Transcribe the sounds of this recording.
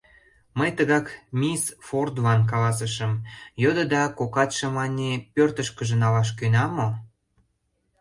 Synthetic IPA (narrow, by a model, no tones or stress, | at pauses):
məjt̪əɣɑkmʲisford̪vɑnk̬ɑlɑs̬əʃəmjod̪ə̆d̪ɑkokɑt̪ʃə̆mɑnʲepørt̪əʃkəʒə̆nɑlɑʃ̬kønɑmo